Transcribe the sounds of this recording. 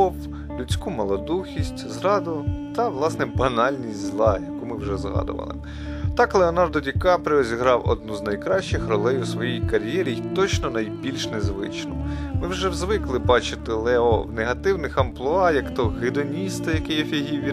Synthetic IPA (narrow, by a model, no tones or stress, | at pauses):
ɔw | lʲʉt͡sʲkumɐlˠɔd̪uxʲisʲtʲzɾɑd̪ʊt̪ɐʋlˠɑsnɛbɐnɑlʲnʲisʲtʲzlˠɑjɐkumɪwʒɛzɦɑ̰d̪ʊ̰ʋɐ̰lˠɪ̰ | t̪ɑklˠeɔnɑrd̪ɔdʲikɑpɾɪɾɔzʲiɦɾɑwɔ̰d̪nuznɐjkɾɑʃt͡ʃɪxrɔlˠɛjʊsʋɔjijkɐɾʲjɛɾʲijt̪ɔt͡ʃnɔnɐjbʲilʲʃnezʋɪ̰t͡ʃnɔ̰ | mɪwʒɛwzʋɪklˠɪbɑt͡ʃɪt̪ɪlˠɛɔwneɦɐt̪ɪwnɪxɐmplˠʊɑjɐkt̪ɔɦɪd̪ɔnʲist̪ɪjɐkɛjɐfʲiɦiʋʲi